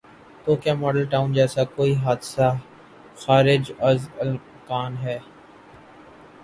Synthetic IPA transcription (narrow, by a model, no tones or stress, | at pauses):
ʈ̪oːkɪjaːmɔːɖəlʈaːʊ̃nd͡ʒɛːsakoːiɦaːd̪sa | xaːɾɪd͡ʒəzəl | kaːnɦɛː